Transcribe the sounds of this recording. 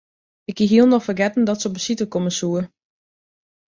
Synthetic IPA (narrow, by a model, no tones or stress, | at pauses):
ɪkiɦiəlˠnɔxfərɡɛtn̩dɔtsəobəsitəkɔməsuər